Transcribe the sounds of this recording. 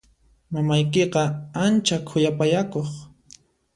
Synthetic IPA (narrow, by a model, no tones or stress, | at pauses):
mamajkeqɑant͡ʃakʰʊjapajakoχ